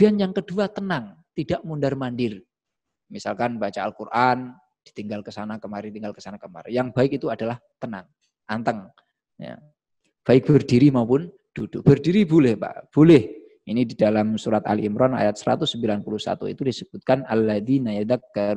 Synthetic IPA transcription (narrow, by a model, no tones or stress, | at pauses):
d̥ianjaŋkəduat̪ənaŋt̪idaʔmundarmandɪr | misalkanbat͡ʃaːlkurʔan | d̥i̥t̪iŋɡalkəsanakəmaɾɪt̪iŋɡalkə̥sanakəma̰ɾjaŋbaɪkit̪uadalaht̪ənaŋ | ʔant̪əŋ | ja̰ | b̥aɪk̚b̥ərdiɾimaupʊn | d̥ud̥ub̥ərdiɾibolɛhpa̰ʔb̥olɪh | inididalamsuɾat̪a̰lḭmɾɔna̰jat̪̚səɾa̰t̪ʊsːəmbilanpuluhsa̰t̪ṵḭt̪udisəb̥ut̪̚kanʔalːaðinajad̪ak̚ɡa